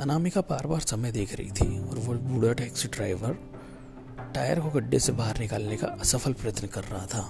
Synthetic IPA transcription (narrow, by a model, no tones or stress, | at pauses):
ɐnaːmikapaːɾbaːɾsɐməjd̪eːkʰɾɐ̰ɦḭt̪ʰiɔ̰ːɾʋolbuːɽəʈɛːksɖɾaːɪʋəɾ | ʈaːjəɾkoɡɐɖːesebaːɦəɾnɪkaːlneka̰ɐsɐfʰəlpɾɐjət̪nəkɐɾːɐɦat̪ʰaː